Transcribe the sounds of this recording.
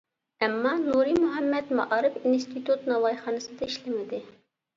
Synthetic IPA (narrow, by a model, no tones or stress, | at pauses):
æmːɑːnuɾimuɦæmːɛd̪mɑ̰ʔɑːɾɪfinst̪ʰit̪ʰut̪nɑwɑjχɑːnɨsɨd̪ɑiʃlɪmɪd̪ɪ